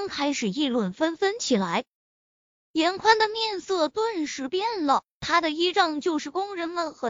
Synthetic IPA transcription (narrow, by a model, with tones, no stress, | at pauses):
ŋkʰa˥ɪʂɻ̩˨˩i˥˧lwə˥˩nfə˥nfə˥nt͡ɕʰi˨˩la˧˥ɪ | jɛ˧˥nkʰwa˥nd̪ə˨mjɛ˥˧nsɤ˥˩t̪wə˥˩nʂɻ̩˧˥pjɛ˥nlə˨t̪ʰa˥d̪ə˨i˥ʈ͡ʂɑ˥˧ŋt͡ɕjo˥˧ʊʂɻ̩˥˩kʊ˥ŋɻə˧˥nmə˨˧nxə˧˥